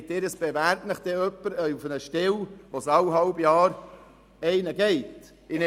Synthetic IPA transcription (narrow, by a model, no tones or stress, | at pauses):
tːɪɾəsb̥evæːɾtnəχd̥̪ɛœpːəɾufənəʃtɪlʋosɑwɦɑlbjɑːɾ | ɛɪnəɡɛɪt | ɪn